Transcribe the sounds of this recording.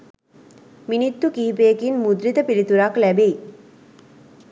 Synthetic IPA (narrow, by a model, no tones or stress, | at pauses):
minit̪ːukiːpekinmud̪ɾit̪əpilit̪uɾaklæbei